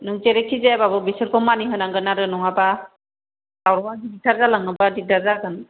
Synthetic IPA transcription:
nuŋteɾekʰizebabɯbisɯɾkʰɔmaniɦɯnaŋɡɯnaɾɯnɔŋaba | lawɾɔŋadidik̚taɾzalaŋɯbadik̚taɾzaɡɯn

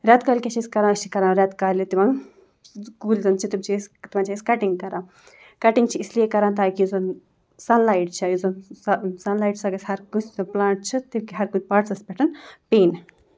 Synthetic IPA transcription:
ɾʲɛt̪kalkʲet͡ʃʰisʲkɐɾãːt͡ʃʰikɐɾãːɾʲɐt̪kaːlit̪iʋãŋ | kuːlzɐnt͡ʃʰit̪imt͡ʃʰist̪imãːnt͡ʃʰːisʲkɐʈiŋɡkɐɾãː | kɐʈiŋɡt͡ʃʰiislijekɐɾãːnt̪aːkizɐn | sɐnlaːiʈ̚t͡ʃʰijizɐnsɐnlaːjʈsɐɡɐsʲhɐɾkuplaːɳʈ̚t͡ʃʰit̪imkiɦɐɾkupaːʈsɐspʲɛʈʰɨnpeːn

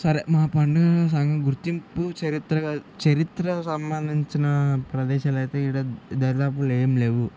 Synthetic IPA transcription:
sɐɾemaːpɐɳɖɐs̬ɐŋɡɐɡuɾt̪imput͡ʃɐɾit̪ɾɐɡat͡ʃɐɾit̪ɾɐsɐmːand̪iɲt͡ʃinɐpɾɐd̪ɛːʃaːlɐjt̪eːiɽɐd̪ɐɾɐd̪aːp̬ulɛːjɐmleːʋu

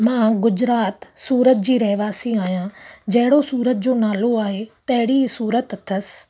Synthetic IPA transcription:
mãːɡʊd͡ʑɾaːt̪suːɾət̪̚d͡ʑiːɾɐɦɪʋaːsiaːɦijãd͡ʑɐɦɪɽosuːɾət̪̚d͡ʑoːnaːloaːɦet̪ɐɦɪɽisuːɾət̪t̪ʰːɐsɪ̥

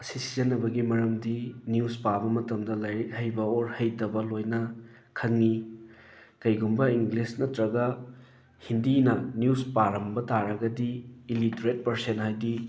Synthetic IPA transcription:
ɐsisizɐnɐbɐɡimɐɾɐmdinjuspabɐmɐtɐmdɐlɐhɐjbɐoɾhɐjtɐbɐlojnɐ | kʰɐŋni | kɐjɡumbɐiŋɡlisnɐtɾɐɡɐ | hindinɐnjuspaɾɐmbɐtaɾɐɡɐdiːlitɾet̚pɐɾsenhajdi

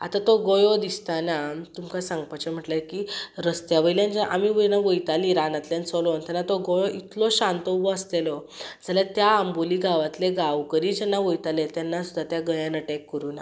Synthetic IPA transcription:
a̰t̪at̪ɔɡɔjɔd̪ist̪anat̪umkasãŋɡpat͡ɕem̤əʈlakiɾəst̪jaʋəjljãnd͡ʑaʔamiʋənaʋəjt̪aliɾanat̪ljant͡sɔlɔnt̪anːat̪ɔɡɔjɔʔit̪lɔɕãnt̪ɔʋɔəst̪elɔ | d͡zalat̪jaːmboliɡaʋat̪leɡawkəɾid͡ʑɛnːaʋəjt̪alet̪janːasud̪ʱːat̪jaɡəjãnəʈɛkːəɾuːna

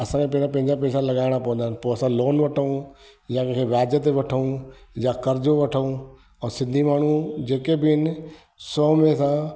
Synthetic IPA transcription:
ɐsãkʰẽpɐ̃ɦd͡ʑãpɐ̃ɦɪ̃ɲd͡ʑapɛːsãlɐɠaːɪɽ̃apɐʋə̃nd̪aɦɪnɪpoːɐsãloːnʋɐʈʰəũ | jãkẽkʰeʋaːd̪jət̪̬eʋɐʈʰəũjakɐɾd͡ʑoʋɐʈʰəũ | ɛ̃ːsɪ̃nd̪ʱimaːɳ̤ũd͡ʑeːkebɪɦɪnɪ̆ | sɔːmẽsã

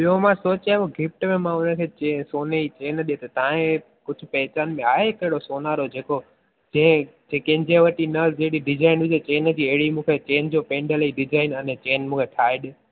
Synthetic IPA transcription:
ɓijomãsoːt͡ɕaːoɡʱɪfʈmẽmãʊnəkʰeːt͡ɕesoːneit͡ɕeːnɗiet̪ʰɐt̪aːẽ | kʊd͡ʑʱʊ̆pɐɦt͡ɕaːnmẽaːɦekɐɦɪɽosoːnaːɾod͡ʑeːko | d͡ʑɐ̃ɦɪ̃d͡ʑekɐ̃ɦɪ̃ɲd͡ʑeʋɐʈinəd͡ʑeɦɪɽiɖɪd͡ʑaːɪnʋɪd͡ʑet͡ɕeːnd͡ʑiːɐɦɪɽimũːkʰet͡ɕeːnd͡ʑoːpẽːɳɖəliɖɪd͡ʑaːɪnə̃nt͡ɕeːnmũːkʰeʈʰaːeɗɪ

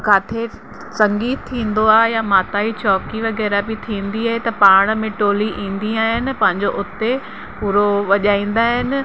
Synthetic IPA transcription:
kaːt̪ʰe | sɐ̃ŋɡiːt̪t̪ʰːĩːnd̪oaːɦejamaːt̪aːit͡ɕɔːkiʋɐɣɛːɾabɪt̪ʰĩːnd̪iaːɦet̪ɐpaːɽ̃mẽʈoːliʔĩːn̆d̪iaːɦɪnɪ̆pɐ̃ɦɪ̃ɲd͡ʑoʔʊt̪e | puːɾoʋɐʄaːĩːn̆d̪aːɦɪnɪ̆

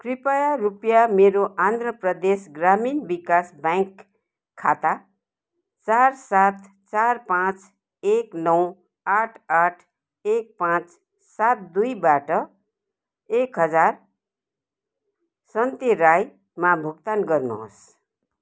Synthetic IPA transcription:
kripajarupjameɾoʔand̪rʌprʌd̪esɡraminbikasbakʰː | at̪a | t͡sarsat̪ | t͡sarpãt͡s | eknʌw | aʈʰaʈʰ | ek̚pãt͡s | sat̪̚d̪ujbaʈʌ | ekɦʌd͡zar | sʌnt̪eɾaj | mabʱukt̪anɡʌrnṵɦo̰s

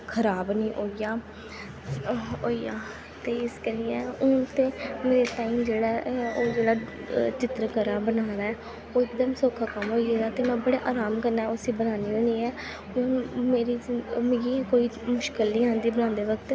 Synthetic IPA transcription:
kʰəɾaːbnĩːʔoːijaː | oːiaː | t̪eːɪskəɾiːɛ̃ːʊ̃ːt̪eːmeːɾeːʈaːiːmd͡ʒeːɽaːoːd͡ʒeːɽaːt͡ʃɪt̪ɾkəɾaːbənaːñaːɛː | oːɪkd̪əmsoːkʰaːkəmɦoːieːaːt̪eːmɛ̃ːbəɽeːʔaːɾaːmkəɾnaːɛʊsiːbənaːniːoːniːɛː | mɛ̃ːmeːɾiːmeɡĩkoːiːmʊʃkəlniːãːnd̪iːbənãːnd̪eːʋəkt̪

